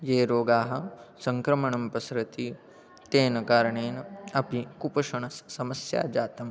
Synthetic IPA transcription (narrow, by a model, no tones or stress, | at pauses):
jeːɾoːɡaːɦɐ̆sɐŋkɾɐmɐɳɐmpɐsɾɐt̪i | t̪eːnɐkaːɾɐɳeːnɐɐpikupɐʂɐɳɐssɐmɐsja̰ːd͡ʒaːt̪ɐm